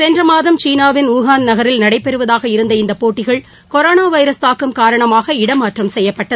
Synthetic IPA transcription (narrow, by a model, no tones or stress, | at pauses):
sɛndrɐmaːðɐmt͡ʃiːnaːʋɪnuːɣaːnnɐɣɐɾɪlnɐɽɐɪpːɛɾɯʋɐðaːɣɐɪɾɯnd̪ɐɪnd̪ɐpoːʈːɪɣɐɭ | kɔɾoːnaːʋɐɪɾɐst̪aːkːɯmkaːɾɐɳɐmaːɣɐɪɽɐmaːʈrɐmsɛjːɐpːɐʈːɐðɯ